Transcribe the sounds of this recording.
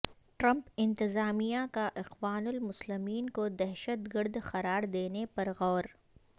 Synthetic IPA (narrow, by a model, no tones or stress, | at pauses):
ʈɾɐ̃mpɪ̃nt̪ɪzaːmijãkaʔɪqwaːnʊlmʊslɪmiːnkod̪ɛɦʃət̪ɡəɾd̪xɐɾaːɾd̪eːnepɐɾɣɔːɾ